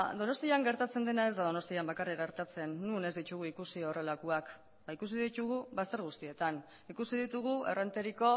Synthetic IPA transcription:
d̪o̞no̞st̪iaŋɡe̞ɾt̪at͡se̞nd̪e̞nae̞zd̪að̞o̞no̞st̪iambakarikɣe̞ɾt̪at͡se̞nːune̞zd̪it͡ʃuɣuikusio̞re̞lakuak | baikus̬iðit͡ʃ̪uɣuβast̪e̞ɾɣ̞ust̪ie̞t̪an | ikusiðit̪uɣ̞ue̞rent̪e̞ɾiko̞

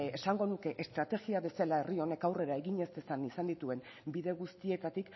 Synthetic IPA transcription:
esaŋɡo̞nuke̞ʔest̪ɾat̪e̞ɣiaβe̞salae̞rio̞ne̞kawre̞ɾae̞ɣiɲe̞st̪esanisand̪it̪ue̞m | biðe̞ɣ̞ust̪ie̞t̪at̪ik

